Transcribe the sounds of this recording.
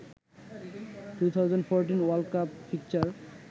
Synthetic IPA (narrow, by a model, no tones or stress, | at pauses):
ʈut̪ʰawd͡ʑanɖfʰoɾʈinwalkappʰik̚t͡ɕaɾ